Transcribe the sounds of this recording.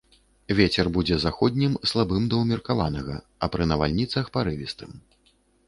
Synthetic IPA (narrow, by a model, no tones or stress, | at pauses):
vʲet͡sʲɛrbud͡zʲɛzaxɔd̪ʲnʲimslˠabɨmd̪ɐwmʲirkavanɐɣɐ̰ | ɐpɾɨnɐva̰lʲnʲit̪sɐxpaɾɨvʲist̪ɨm